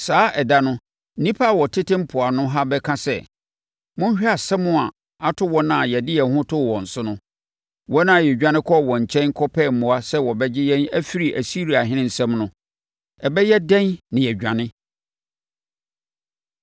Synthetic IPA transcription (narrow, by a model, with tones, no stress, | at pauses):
saː˦ʔɛ˨da˦nʊ̃˦ | nĩ˦pʰa˦˨wɔ˨tʰɪ˦tɪ̃˦m̩˦pʰʊ˨a˨nʊ̃˦ɦa˦bɛ˦kʰã˦sɛ̰˨ | mʊ̃˦ɲ̩˦ɕᶣi˦a˨sɛ˦mʊ̃˦a˨ | a˨tʰʊ˦wɔ̃˦nã˨jɛ˨dɪ˦jɛ˨hʊ̃˦tʰʊ˦˨wɔ̃˨n̩˨sʊ˦nʊ̃˦ | wɔ˦nã˦˨jɛ˨d͡ʑᶣã˦nɪ̃˦kʰɔ˦˨wɔ̃˨ɲ̩˨t͡ɕʰɛ̃˦n˦kʰɔ˦pʰɛ˦˨m̩˨mʊ̃˨a˦sɛ˦wɔ˨bɛ˦d͡ʑɪ˦jɛ̃˦næ˦fi˦ɾi˨ʔæ˨si˦ɾi˨a˨ɦɪ̃˦nɪ̃˦n̩˨sɛ̃˦mnʊ̃˦ | ɛ˨bɛ˦jɛ˦dɛ̃˦nnɪ̃˨jɛ˨ɟᶣã˨nɪ̃˦